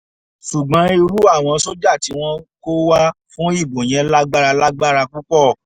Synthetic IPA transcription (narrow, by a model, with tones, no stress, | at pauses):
ʃu˨ɡ͡bã˨˦i˧ɾu˦a˦˨w̃ɔ̃˧so˦d͡ʒa˦˨ti˨˦w̃ɔ̃˦ko˦wa˦fũ˦i˦˨bo˨j̃ɛ̃˧la˦ɡ͡ba˦ɾa˧la˦ɡ͡ba˦ɾa˧ku˦k͡pɔ˦˨